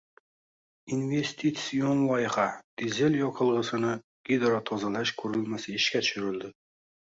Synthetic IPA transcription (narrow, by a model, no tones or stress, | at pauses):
inve̞st̪ʰit̪sionlˠɒjɪhad̪̥izelʲjɒqʰɨlˠʁɨsɪnɪ | ɡ̥id̪ɾat̪ʰɒzalaʃkʰɵɾɪlmasɪɪʃkʲat̪ʰʊ̥ʃʊɾɪld̪ɪ